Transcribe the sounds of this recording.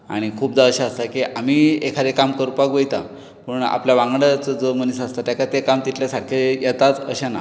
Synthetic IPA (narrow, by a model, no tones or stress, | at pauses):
a̰ɽ̃ikʰuːp̚d͡z̪aəɕaːst̪akiʔamiːekʰad̪ekamkəɾupakɡojt̪a | pəɳa̰pljaʋãŋɡɽat͡səd͡zomənis̬ast̪at̪jakat̪ekamt̪it̪ljasaɽkʰejet̪at͡səɕana̰